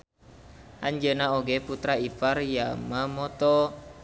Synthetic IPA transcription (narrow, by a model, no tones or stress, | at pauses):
aɲd͡ʒənaɔɡɛput̪ɾaiparjamamɔt̪ɔ